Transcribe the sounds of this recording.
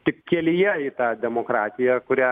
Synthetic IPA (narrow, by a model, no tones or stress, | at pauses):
t̪ʲɪkʲːeːlʲɪjɛɪt̪aːd̪ʲɛmokɾaːt̪ʲɪjɐkʊɾʲæ